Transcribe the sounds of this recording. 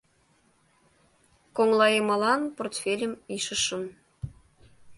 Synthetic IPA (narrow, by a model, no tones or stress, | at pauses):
koŋlˠɑjɤ̆mɑlˠɑnport̪fʲelʲɘ̆miʃɤ̆ʃɤ̆n